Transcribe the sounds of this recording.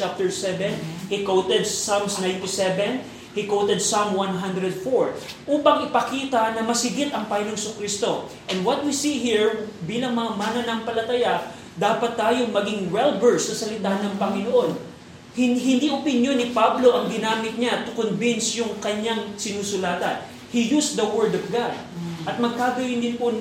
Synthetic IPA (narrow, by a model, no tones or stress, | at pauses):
ap̚t̪ɛɹsɛvɛnhikowt̪ɛd̪̚samsnajnt̪isɛvɛn | hikowt̪ɛd̪̚samwanɦand̪ɾɛd̪̚foɹʔuːpɐŋʔɪpɐkiːt̪ɐnɐmɐsɪɡɪt̪ɐŋpajɪnoŋɪsʊkɾist̪o̞ʔɛnd̪wɐt̪̚wisiɦiɹbiːlɐŋmɐŋamanonɐŋpɐlɐt̪ɐja | d̪aːpɐt̪ːaːjoŋmɐɡɪŋɹɛlbɛɹsnɐsɐlɪt̪aːnɐŋpɐŋɪnoʔo̞n | hɪɦɪnd̪iʔʊpɪnjonːɪpablo̞ʔɐŋɡ̪ɪnaːmɪt̪̚ɲat̪ʊkonvinsjʊŋkɐɲaŋsɪnuːsʊlaːt̪ɐn | hijusd̪ɐwɛɹd̪ɔvɡad̪̚ | ʔɐt̪̚mɐɡ̚kaːɡɐwɪnd̪ɪnpon